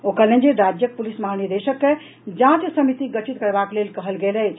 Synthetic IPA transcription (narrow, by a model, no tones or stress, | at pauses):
okəlend͡ʒeɾad͡ʒjək̚pulisməɦaniɾd̪eʃəkːe | d͡ʒãt͡ʃsəmit̪iɡət͡ʃʰit̪kəɾbaklelkəɦəlɡelɛj